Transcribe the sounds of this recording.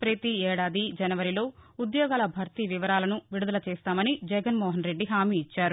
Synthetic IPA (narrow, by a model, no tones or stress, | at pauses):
pɾɐt̪iɛːɽaːd̪id͡ʒɐnɐʋɐɾilo̞ːud̪jɔːɡaːlɐbʱɐɾt̪iʋiʋɐɾaːlɐnuʋiɽud̪ɐlɐt͡ʃɛːst̪aːmɐnid͡ʒɛɡɐnmɔːɦɐnɾe̞ɖːiɦaːmiːt͡ʃːaːɾu